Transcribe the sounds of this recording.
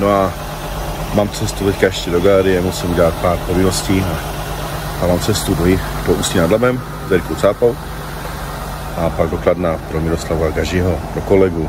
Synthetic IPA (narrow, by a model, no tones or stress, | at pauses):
noa | maːmt͡sɛst̪ut̪ɛckajɛʃcɛdo̞ɡalɛɾɪjɛmusɪmuɟɛlat̪̚paːɾpovɪnosciːa | amaːmt͡sɛst̪udojɪ | doʔuːsinadlabɛm | zd̪ɛɾkowt͡saːpaw | ʔapaɡ̚dokladnapɾomɪɾo̞slavaɡaʒɪɦopɾoko̞lɛɡu